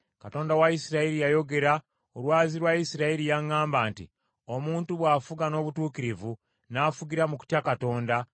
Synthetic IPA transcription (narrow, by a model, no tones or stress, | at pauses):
kato̞ːndawaisiɾaiɾijajo̞ɡe̞ɾa | olwaːziɾwaisiɾaiɾijaŋːaːmbaːntḭ | o̞muːntuβwaːfuɡano̞ːβutuːkiɾivu | naːfuɡiɾamuku̥tjakato̞ːnda